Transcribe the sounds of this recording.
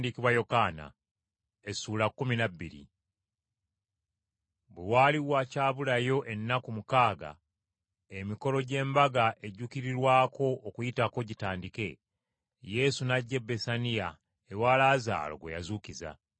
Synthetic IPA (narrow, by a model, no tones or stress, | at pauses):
dikiβwajo̞kaːna̰ | esuːlakːuminabːḭɾḭ | bwewaːliwacaːβulajo̞ʔe̞nːakumukaːɡa̰ | emiko̞lo̞ɟe̞ːmbaɡaʔe̞ɟukiɾiɾwaːko̞ːkujitako̞ɟitaːndike̞ | je̞sunaɟːe̞bːe̞sanija | ewaːlaːza̰ːlo̞̰ɡwḛja̰zuːkiza̰